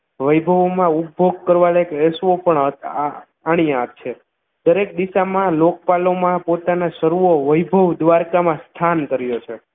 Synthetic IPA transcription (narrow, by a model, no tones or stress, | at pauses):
ʋəjbʱəʋmãup̚boɡ̚kəɾʋalekesʋopəɳə | aɽ̃ijãat̪t͡ʃʰe | d̪əɾek̚d̪iʃamãlok̚palomãpot̪anaʃəɾuoʋəjbʱəʋd̪ʋaɾkamãst̪ʰankəɾjot͡ʃʰe